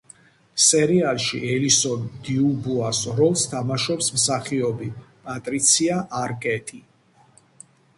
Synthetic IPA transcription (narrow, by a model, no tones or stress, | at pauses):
sɛɾialˠʃiʔɛlisɔnd̪iubuasɾɔlst̪ʰamaʃɔpsmsaχiɔbipʼat̪ʼɾit̪sʰiaʔaɾkʼɛt̪ʰi